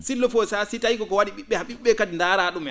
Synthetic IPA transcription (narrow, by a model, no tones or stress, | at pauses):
silɔfɔsasitajkɔkɔwaɗiɓiɓːɛhaɓiɓːɛkadindaːɾaɗumɛ